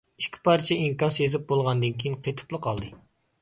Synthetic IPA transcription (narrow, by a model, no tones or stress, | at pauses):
iʃkʲʰːi̥pɑɾt͡ʃʰɛiŋkɑsezɪp̚bolˠʁɑnd̪ɨnkʲʰijinqʰet̪ʰu̥plˠəqʰɑlˠd̪ɨ